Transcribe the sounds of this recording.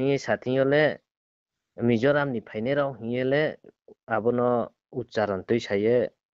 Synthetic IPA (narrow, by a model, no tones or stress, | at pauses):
ijejsat̪ʰĩjɔlɛ | mid͡ʒɔɾamnipʰajnɛɾawɦĩelɛ | abɔnɔ | utt͡ʃaɾɔnt̪ɔjsajɛ